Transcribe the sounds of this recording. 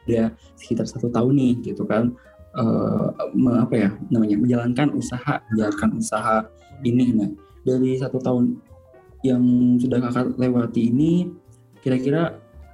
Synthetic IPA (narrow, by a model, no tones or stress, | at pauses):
da | sə̥kit̪arsat̪ut̪aʊnːɪhɡit̪ukan | ʔə̰məŋapajanamaɲaməɲd͡ʒalankanusahaməɲd͡ʒalankanusaɦa | inɪna | daɾisat̪ut̪aʊn | jaŋsudahkakat̪lewat̪iːni | kiɾakiɾa